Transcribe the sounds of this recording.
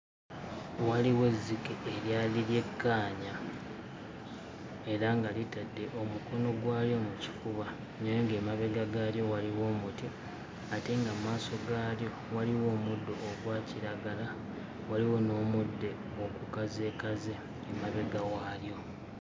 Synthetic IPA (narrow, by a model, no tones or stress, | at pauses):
waliwe̞zːikeːljaːliɾje̞kːaːɲa | e̞ɾaŋɡalitadːe̞ʔo̞muko̞no̞ɡwaːljo̞muci̥kuβa | nejeŋɡeːmaβe̞ɡaɡaːljo̞waliwo̞ːmuti | ateŋɡammaːso̞ɡaːljo̞ | waliwo̞ːmudːo̞ːɡwaːciɾaɡala | waliwo̞no̞ːmudːe̞ | okukaze̞ːkazeː | maβe̞ɡawaːljo̞